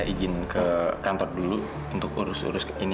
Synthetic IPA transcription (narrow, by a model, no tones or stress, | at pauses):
id͡ʒɪnkəkant̪ɔrdulu | unt̪ʊk̚ṵɾʊsṵɾʊsini